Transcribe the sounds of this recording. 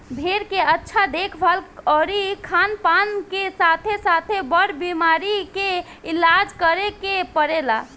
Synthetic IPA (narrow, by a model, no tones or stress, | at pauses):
bʱeɾkeətːʃʰad̪ekʰbʱalɔɾikʰanpankesat̪ʰesat̪ʰebəɾbimaɾike | ilad͡ʒkəɾekepəɾela̰